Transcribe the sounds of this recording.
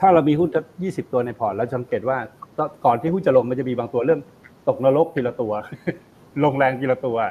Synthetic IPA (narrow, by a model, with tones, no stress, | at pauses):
t̪ʰaː˥˩ɾa˧wmiː˧ɦu˥˩nsʰp̚jiː˥˩si˨˩p̚t̪u˧ɐna˧jpʰɔː˨˩nlɛː˦˥wt͡ɕa˨˩sa˧˦ŋkeː˨˩t̪̚waː˥˩kɔ˦˥kɔː˨˩nt̪ʰiː˥˩ɦu˥˩nt͡ɕa˨˩lo˧ŋma˧nt͡ɕa˨˩miː˧baː˧ŋt̪u˧ɐlɤ˥˩əm | t̪o˨˩k̚na˦˥lo˦˥k̚ki˧la˧t̪u˧ɐ | lo˧ŋlɛː˧ŋk̪i˧la˧t̪u˧ɐ